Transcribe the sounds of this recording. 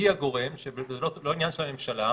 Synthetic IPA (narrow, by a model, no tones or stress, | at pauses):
iaɡo̞ʁe̞mʃebzelolo̞injanʃelame̞mʃala